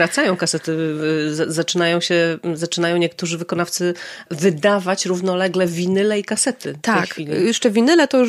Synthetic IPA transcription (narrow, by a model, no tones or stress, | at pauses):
ɾat̪sajɔ̃w̃kasɛt̪ɘzazat͡ʂɘnajɔ̃w̃ɕɛzat͡ʂɘnajɔ̃w̃ɲɛkt̪uʐɘvɘkɔnaft̪sɘvɘd̪avat͡ɕɾuvnɔlɛɡlɛvʲinɘlɛikasɛt̪ɘt̪aɛjxfkʲilʲijɛʂt͡ʂɛvʲinɘlɛt̪ɔju